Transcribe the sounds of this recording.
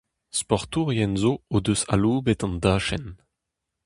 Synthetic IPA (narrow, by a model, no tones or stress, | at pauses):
spɔʁt̪uːʁjɛnzood̪øsa̰luːbɛt̪ɑ̃nd̪aːʃɛn